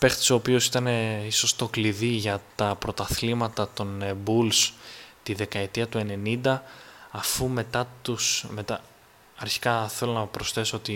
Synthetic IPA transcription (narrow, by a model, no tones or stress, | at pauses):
pe̞xt̪i̥so̞ːpio̞sit̪ɐne̞iso̞st̪o̞kliðiʝɐt̪ɐpɾo̞t̪ɐθlimɐt̪ɐt̪o̞nbulst̪iðe̞kɐe̞t̪iɐt̪ue̞ne̞nind̪ɐːfume̞t̪ɐt̪usme̞t̪ɐ | ɐɾçi̥kɐθe̞lo̞nɐpɾo̞sθe̞soot̪i